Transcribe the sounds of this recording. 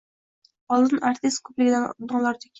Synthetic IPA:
ɒlˠɨnaɾt̪ʰɪst̪̚kʰɵplɪɡʲɪd̪ad̪ɒɴlˠaɾd̪ɪkʲ

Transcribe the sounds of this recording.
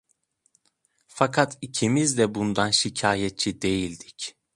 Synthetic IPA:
fakʰat̪ʰicʰimizd̪ɛbund̪anʃicʰaːjɛt̪̚t͡ʃʰid̪e̞jilʲd̪ic

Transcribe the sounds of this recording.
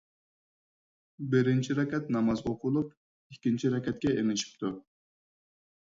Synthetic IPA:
bɪɾɪnt͡ʃʰiɾɛkʲɛt̪̚nɑmɑzoqʰʊlˠup | ikʲːint͡ʃʰiɾɛkʲɛt̪̚kʲɛemɪʃi̥p̚t̪ʰu

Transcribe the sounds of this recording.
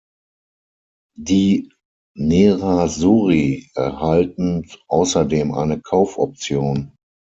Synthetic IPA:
diː | neʁazuːʁiʔɛɐhaltn̩ʔaʊsɐdeːmʔa̰ɪnəkʰaʊfʔɔ̰p̚t͡sjoːn

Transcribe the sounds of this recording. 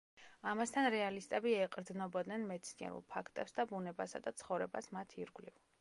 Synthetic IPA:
amast̪ʰanɾɛalist̪ʼɛbiɛqʼɾd̪znɔbɔd̪nɛnmɛt̪sʰniɛ̰ɾṵlˠpʰakʰt̪ʼɛpsd̪abunɛbasa̰d̪at̪sʰχɔvɾɛbasmat̪ʰiɾɡliv

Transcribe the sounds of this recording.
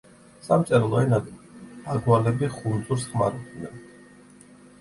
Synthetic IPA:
samt̪sʼɛɾlˠɔɛnad̪aɡwalɛbiχunzuɾsχma̰ɾut̪ʰnɛn

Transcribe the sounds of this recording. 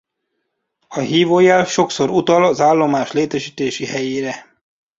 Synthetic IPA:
ɒɦiːvoːjaːlʃo̞kso̞ɾut̪ɒlɒzaːlːo̞maːʃleːt̪ɛʃiːt̪eːʃihɛjeːɾɛ

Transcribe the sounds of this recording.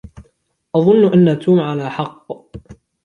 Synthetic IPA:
ʔɑðˤʊnːʔanːat̪uːmʕalaːħɑqː

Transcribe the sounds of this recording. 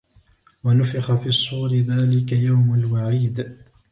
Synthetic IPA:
wanʊfɪxafiːɑsˤːuːɾɪðaːlɪkajawmalwaʕiːd̪

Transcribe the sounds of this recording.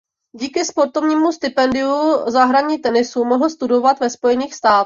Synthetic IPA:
ɟiːkɪspo̞ɾt̪ovɲiːmust̪ɪpɛndɪuzaɦɾaɲiːt̪ɛnɪsumoɦl̩st̪udo̞vat̪vɛspo̞jɛniːxst̪aːt̪

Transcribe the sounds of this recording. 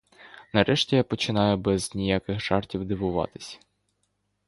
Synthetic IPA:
nɐɾɛʃtʲijapɔt͡ʃɪn̪ɑjʊbɛznʲijakɪxʒ̥ɑrtʲiwd̪ɪʋʊʋɑ̰t̪ɪ̥sʲɐ̥

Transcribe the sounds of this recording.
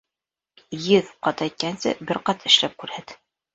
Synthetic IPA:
jɘðqɑt̪æjt̪̚kænsɘ̰bɘɾqɑt̪ɘ̆ʃlæp̚kʉɾhæt̪

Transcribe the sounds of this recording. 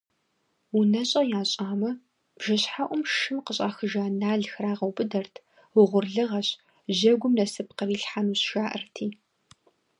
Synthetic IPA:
wʊnɐɕʼɐjaːɕʼaːmɐ | b̥ʒ̥ɐɕħaʔʷʊmʃɨmqəɕʼa̰ːxɨʒaːnaːɮxraːʁɐwbɨdɐrtʰ | wʊʁʷʊrɮɨʁɐɕ | ʑɐɡʷʊmnɐsɨpqəriːɬħanuːsʒaːʔɨ̰rtʰiː

